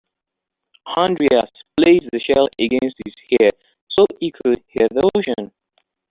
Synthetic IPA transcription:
hãndɹiasplesðəʃɛləɡɛ̃nst̚hiz̥hɛ | soikʰud̚hɛvoʃə̃n

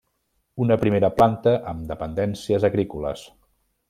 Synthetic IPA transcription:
unəpɾimeɾəplant̪əʔəmd̪əpənd̪ɛnsiəzəɣɾikulə̰s

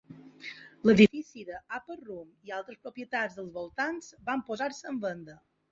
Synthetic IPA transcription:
ləðifisiðəapərumialˠt̪ɾəspɾopiət̪ad͡zðəlˠzβolˠt̪anz̥bampozaɾsəəmbənd̪ə

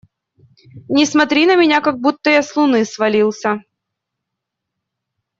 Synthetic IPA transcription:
nʲɪsmɐt̪ɾʲinəmʲɪnʲakaɡ̚but̪ːəjaslˠʊnɨsvɐlʲilˠsʲə

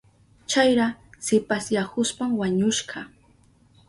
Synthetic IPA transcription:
t͡ʃajɾasɪpasjakʊspamwaɲʊʃɢɑ

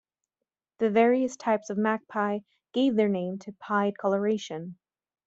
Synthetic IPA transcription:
ðɨvɛɹiɨstʰaɪpsʌvmæk̚pʰaɪ | ɡ̥eɪvðə˞nẽɪ̃mtʰɨpʰaɪd̚kʰɑlˠə˞eɪʃɨ̃n

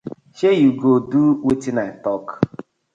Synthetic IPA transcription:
ʃejuɡoduwetinatɔk

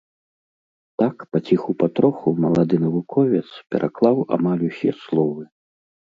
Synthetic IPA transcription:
t̪akpɐt͡sʲixupat̪ɾɔxumɐlˠad̪ɨnɐvukʰɔvʲɛt̪spʲɛ̰ɾʔa̰klˠawa̰malʲusʲɛslˠɔvɨ

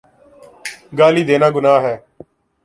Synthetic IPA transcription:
ɡaːliːd̪eːnãːɡʊnaːɦɛː

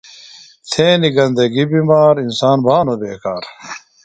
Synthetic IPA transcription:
t̪ʰeːniɡɐnd̪ɐɡibiːmaːɾinsaːnbʱaːnobeːkaːɾ

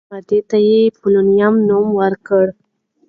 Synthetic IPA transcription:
ad̪et̪ajepolonijamnomwəɾkəɽ

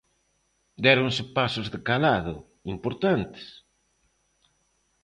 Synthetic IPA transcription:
d̪ɛɾoŋsɪpasʊzðɪkalaðʊ̰ | impoɾt̪ant̪ɪ̥s

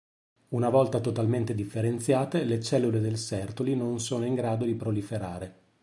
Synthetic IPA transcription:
unavɔlt̪at̪ot̪alment̪ed̪ifːeɾent̪sjaːt̪elet͡ʃɛlːuled̪elsɛrt̪olinonsoːnoiŋɡɾaːd̪od̪ipɾolifeɾaːɾe

